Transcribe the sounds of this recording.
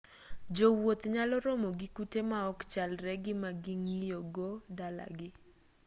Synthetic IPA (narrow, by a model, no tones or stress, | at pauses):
d͡ʒowot̪ɲalɔɾomoɡikutemaɔkt͡ʃalɾɛɡɪmaɡɪŋijoɡodala̰ɡɪ